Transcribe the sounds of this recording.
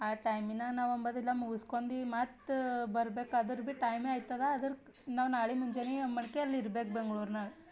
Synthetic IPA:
aːʈɐjminːɐnaːʋɐmbɐd̪ilːɐmuɡuskond̪imaːt̪bɐɾbeːkɐd̪ɐɾbiʈɐjmeaːjt̪ːɐd̪eɐd̪ɐɾ | naːʋnaːɭimuɲd͡ʒeniɐmɐɳkeɐlːiɾbe̞ːk̚beŋɡɭuɾnɐ

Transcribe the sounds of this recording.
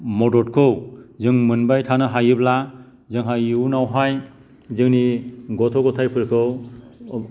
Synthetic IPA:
mɔdɔt̚kʰɯwzɯŋmɯnbajtʰanɯɦajɯbla | zɯŋɦajiwnawɦaj | zɯŋniɡɔtʰɔɡɔtʰajpʰɯɾkʰɯw

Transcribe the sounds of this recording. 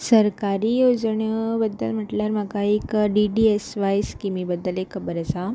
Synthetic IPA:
səɾkaɾiːjod͡zɳəbəd̪ːə̰lm̤əʈljaɾməkaekɖiɖiesʋajskimibəd̪ːəlekʰəbəɾəsa

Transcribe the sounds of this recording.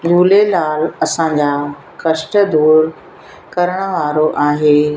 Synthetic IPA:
d͡ʑʱuːlelaːlɐsãɲd͡ʑaː | kɐʃʈə̆d̪uːɾ | kɐɾəɽ̃ə̆ʋaːɾoʔaːɦeː

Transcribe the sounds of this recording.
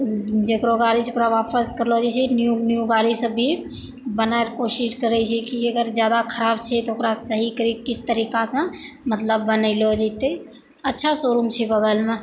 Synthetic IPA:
d͡ʒekɾoɡaːɾid͡ʒekɾaʋaːpʰəskəɾlod͡ʒet͡ʃʰɛnjunjuɡaːɾisəbʱi | bənaeɾkoːʃɪʃkəɾɛt͡ʃʰɛkiɐɡəɾd͡ʒjaːd̪akʰəɾaːbt͡ʃʰɛt̪oʊkɾasəɦikəɾikɪst̪əɾiːkasə̃ | mət̪ləbːənəɪlod͡ʒet̪e | ɐtːʃʰasoːɾumt͡ʃʰɛbəɡəlmẽ

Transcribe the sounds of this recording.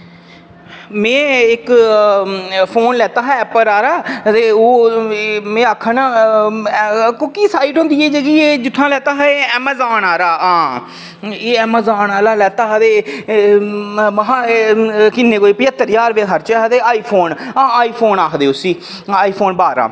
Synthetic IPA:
mɛ̃ːɪk | pʰoːnlɛːt̪aːɦɛːɛːpəɾaːɾaːt̪eːoː | mɛ̃ːaːkʰːənaː | kʊkiːsaːiʈɦõːnd̪iːɛːd͡ʒeːɡiːeːd͡ʒʊʈʰːãːlɛːt̪aːɦɛeːɛːmɛːzaːnaːɾaːãː | eːɛːmaːzaːnaːlaːlɛːt̪aːɦt̪eː | məɦãːkɪnːeːkoːiːpəjət̪ːəɾjaːɾʋeːɦəɾt͡ʃɛɦt̪eːaːiːpʰoːnãːaːiːpʰoːnaːkʰd̪eːʊsiː | aːiːpʰoːnbaːɾa̰ː

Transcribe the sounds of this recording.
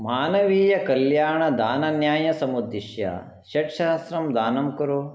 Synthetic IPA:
maːnɐʋiːjɐkɐljaːɳɐd̪aːnɐnjaːjɐsɐmud̪ːiʃjɐ̰ | ʃɐʈʃaːsɾɐmd̪aːnɐmkuɾu

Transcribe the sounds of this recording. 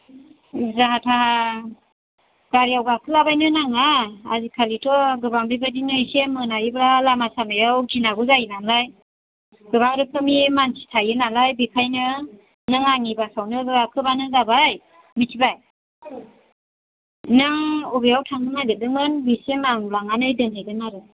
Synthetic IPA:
zaɦatʰaɦa | ɡ̥aɾijawɡakʰɯlabajnɯnaŋaa̰zikʰalitʰɔɡɯbaŋbibadinɯjsemɯnajibɾalamasamajawɡinaɡuzajinalaj | ɡɯβaŋɾɯkʰɯmimansʰi̥tʰajɯnalajbikʰajnɯ | nɯŋaŋibasawnɯɡɯakʰɯbanɯzabaj | mitʰibaj | nɯŋubijawtʰaŋɯŋajdɯdɯmɯnbisemaŋlaŋanɯjdɯnhajdɯnaɾɯ

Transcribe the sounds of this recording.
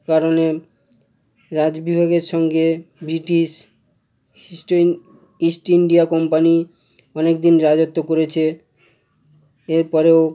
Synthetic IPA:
kaɾone | ɾad͡ʑbibʱaɡeɾʃɔŋɡebɾiʈiʃ | isʈiɳɖiakɔmpani | ɔnekd̪inɾad͡ʑot̪ːokoɾet͡ɕʰe | eɾpɔɾeo

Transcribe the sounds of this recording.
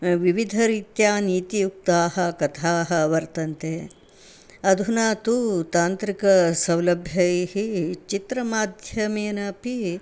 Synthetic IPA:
ʋiʋid̪ʱɐɾiːt̪jaːniːt̪ijuk̚t̪aːɦɐkɐt̪ʰaːɦɐʋɐɾt̪ɐnt̪e | ɐd̪ʱunaːt̪ut̪aːnt̪ɾikɐsɐwlɐbʱjɐhit͡ʃit̪ɾɐmaːd̪ʱjɐmeːnɐpi

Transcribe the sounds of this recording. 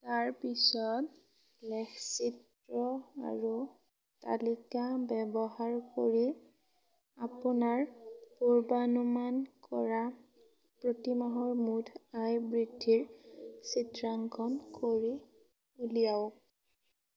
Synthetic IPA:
taɹpisɔt | lɛksit | ɹɔa̰ɹu | ta̰likabɛbɔɦaɹkoɹi | apʊnaɹpuɹbanumankɔ̰ɹa | pɹotimaɦɔɹmudʰʱajbɹidʱːiɹsitɹaŋkʰɔnkoɹi | ulijaʊ

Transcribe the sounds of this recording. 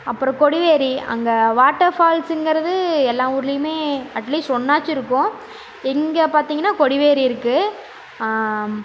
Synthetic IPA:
ɐpːɯɾɔ̃kɔɽɪʋeːɾiɐ̰ŋɡɐʋaːʈːɐɾfaːlsɛŋɡɪɾɐðɯɛlːãːʊɾɪlɪjɯmeːɐʈliːsʈɔnːaːt͡ʃːɪɾɯkːʊ̃ | ɛŋɡɐpaːɾt̪iːŋɡɐnːaːkɔɽɪʋeːɾiɪɾɯkːɯ

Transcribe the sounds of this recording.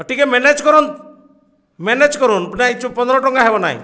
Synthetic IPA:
ɔʈikemened͡ʒkɔɾun | mened͡ʒkɔɾunpinait͡ʃʰupɔnd̪ɾɔʈɔŋɡaɦebɔna̰j̰̃

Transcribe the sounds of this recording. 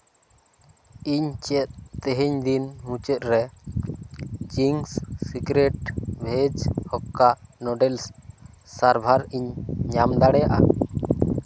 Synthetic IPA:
iɲt͡ʃɛt̪̚t̪ɛɦeɲd̪inmũt͡ʃɛt̪̚ɾɛ | d͡ʒiŋsːikɾeʈbʱed͡ʒhɔkːanɔɖɛls | saɾbʱaɾiɲɲamd̪aɽɛjaʔa̰

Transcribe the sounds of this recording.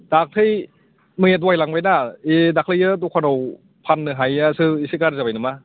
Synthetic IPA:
d̥ak̚tʰɯj | mɯŋet̬wajlaŋbajnaedak̚lajɯt̬ukʰanaw | pʰanːɯɦajasɯisikaɾzabajnɯma

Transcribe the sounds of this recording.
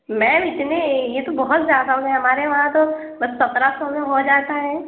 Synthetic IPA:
mɛ̃ɪt̪nejet̪obɔɦʊt̪zjaːd̪aɦũɡɛ̃ɦɐmaːɾeʋɐɦãt̪o | sɐt̪ɾasomeɦod͡ʒaːt̪aɦɛː

